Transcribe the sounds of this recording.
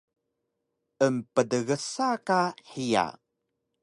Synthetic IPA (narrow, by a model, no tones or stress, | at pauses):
əmpədəɣəsakaħija̰